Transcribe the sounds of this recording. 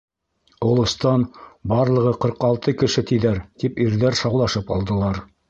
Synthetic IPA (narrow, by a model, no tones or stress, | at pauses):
ŏlˠɤ̆st̪ɑnbɑɾlˠɤ̆ʁɤqɤ̆ɾqɑlˠt̪ɤkɘ̆ʃɘt̪iðæɾt̪ipiɾðæɾʃɑwlˠɑʃɤpɑ̰lˠd̪ɤ̆lˠɑɾ